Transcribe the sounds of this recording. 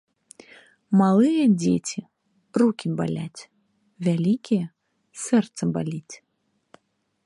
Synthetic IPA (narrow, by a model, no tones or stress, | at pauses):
malˠɨjɛdʲḛtʲi | rukʲimba̰lʲætʲ | vʲælʲikʲijɛ | sɛrt̪səbalʲitʲ